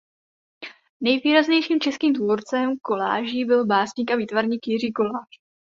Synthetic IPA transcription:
nɛjviːɾazɲɛjʃiːmt͡ʃɛskiːmt̪vuɾt͡sɛmko̞la̰ːʒiːbɪlbaːsɲiːkaviːt̪vaɾɲiːkjɪriːko̞laːʃ

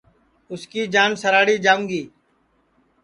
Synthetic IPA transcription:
ʊskiːd͡ʒaːnsəɾaːɽiːd͡ʒaːũːŋɡiː

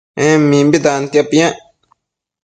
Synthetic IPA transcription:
ɛ̃mːĩmbit̪ant̪japijã

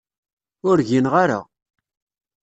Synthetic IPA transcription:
ʊɾʝinʁaɾa̰

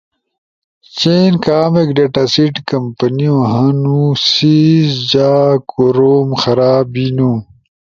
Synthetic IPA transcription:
t͡ɕenkaːmekɖeʈasiʈkɐmpɐniũõɦɐnũsizd͡ʑaːkoɾoːmxɐɾaːbinũ

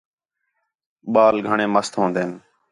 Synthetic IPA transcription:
ɓaːlɡʱəɳẽːməst̪ɦõːnd̪eːn

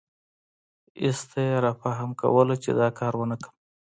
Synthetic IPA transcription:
ɪ̰st̪ʰajeɾɑfaɦamka̰wəlat͡ʃḛd̪ɑkʰɑɾwənakəm

